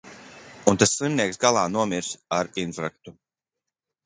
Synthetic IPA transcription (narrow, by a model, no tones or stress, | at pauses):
unt̪asːlˠimniɛksɡalˠaːnuɔmiɾsaɾinfɾak̚t̪u